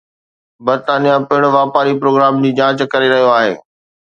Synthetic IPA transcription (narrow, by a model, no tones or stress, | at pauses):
bɐɾt̪aːnijapɐɦɪɽ̃ʋaːpaːɾipɾoːɡɾaːmd͡ʑiːd͡ʑãːt͡ɕkɐɾeɾɐɦijoaːɦḛː